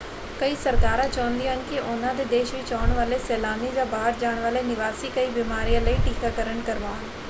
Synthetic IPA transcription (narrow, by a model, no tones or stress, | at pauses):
kɐisɐɾkaːɾãt͡ʃɐʋə̃nd̪iɦənkiʔʊnãd̪ed̪eːʃbit͡ʃaːəɽ̃ʋaːlesɛːlaːnid͡ʑaːbaːɦəɾd͡ʑaːɽ̃ʋaːlenɪʋaːsikɐibɪmaːɾijãlɐiʈiːkakɐɾəɽ̃kɐɾʋaːn